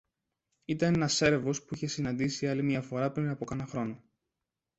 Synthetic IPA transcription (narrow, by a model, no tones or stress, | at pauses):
it̪ɐnenɐse̞ɾevo̞spuiçe̞sinɐnd̪isiɐlimiɐfo̞ɾɐpɾinɐpo̞kɐnɐxɾo̞no